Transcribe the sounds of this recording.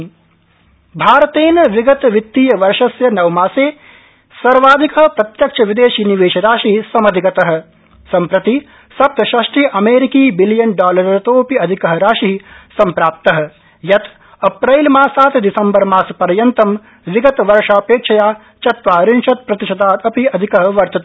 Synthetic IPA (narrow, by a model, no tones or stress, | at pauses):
bʱaːɾɐt̪eːnʋiɡɐt̪ʋit̪ːijɐʋɐɾʃɐsjɐnɐʋmaːseː | sɐɾʋaːd̪ʱikɐɦɐpɾɐt̪jɐkt͡ʃʰɐʋid̪eːʃiːniʋeːʃɐɾaːʃiɦsɐmɐd̪ʱikɐt̪ɐɦɐ̆ | sɐmpɾɐt̪i | sɐp̚t̪ɐʃɐʂʈiʔɐmeːɾikiːbiljɐnɖaːlɐɾɐɾɐt̪oːpiɐd̪ʱikɐɦɐ̆ɾaːʃiɦisɐmpɾaːp̚t̪ɐɦɐ̆ | jɐt̪ | ɐpɾɐjlmaːsaːt̪d̪isɐmbɐɾmaːspɐɾjɐnt̪ɐm | ʋiɡɐt̪ʋɐɾʃaːpeːkt͡ʃʰɐjaː | t͡ʃɐt̪ʋaːɾɪnʃɐt̪̚pɾɐt̪iʃɐd̪aːt̪ɐpiɐd̪ʱikɐɦɐ̆ʋɐɾt̪ɐt̪